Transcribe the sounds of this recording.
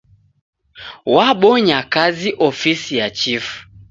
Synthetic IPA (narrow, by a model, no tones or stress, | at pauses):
waɓɔɲakaziʔɔfisijat͡ʃifu̥